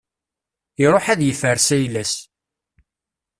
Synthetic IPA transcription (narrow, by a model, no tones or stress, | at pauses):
iɾˤoħæðjəfəɾsæjlæs